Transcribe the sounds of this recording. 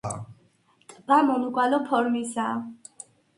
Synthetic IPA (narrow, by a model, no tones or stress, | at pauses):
t̪ʼbamɔnuɡwalɔpʰɔɾmisa